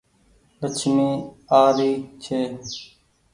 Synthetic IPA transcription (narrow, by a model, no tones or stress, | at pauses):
lət͡ʃʰmĩː | aːɾiːt͡ʃʰeː